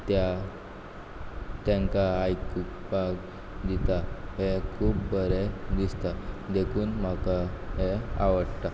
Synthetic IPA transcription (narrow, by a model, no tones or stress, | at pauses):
t̪ja | t̪jãŋkaːjkukbaɡ | d̪it̪aɦekʰuːbbəɾed̪ist̪ad̪ekʰuːnmakaɦea̰ʋəɽt̪a